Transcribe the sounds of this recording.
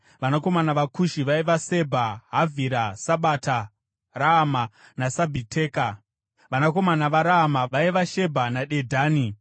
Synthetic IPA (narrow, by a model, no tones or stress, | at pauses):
ʋanako̞manaʋakuʃiʋaiʋase̞bʱaɦavʱiɾasaɓata | raama | nasabʱitʰe̞ːka | ʋanako̞manaʋaɾaamaʋaiʋaʃe̞bʱanaɗe̞dʱaːni